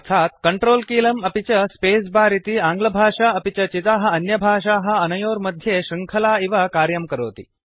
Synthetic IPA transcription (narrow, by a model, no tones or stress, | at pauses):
ət̪ʰat̪̚kəɳʈɾoːlkiːləmɐpit͡ɕɐspes̬baːɾit̪iːãŋɡlɐbʱaːʂaɐpit͡ɕɐt͡ɕit̪aɦɐɐnjɐbʱaːʂaɦɐɐnɐjoːɾməd̪ʱjeɕiŋkʰəlaiʋakaːɾjɐmkəɾoːt̪ḭː